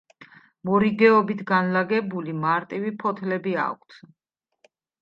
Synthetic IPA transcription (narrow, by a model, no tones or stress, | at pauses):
mɔɾiɡɛɔbit̪ʰɡanlaɡɛbulimaɾt̪ʼivipʰɔt̪ʰlɛbia̰kʷʰt̪ʰ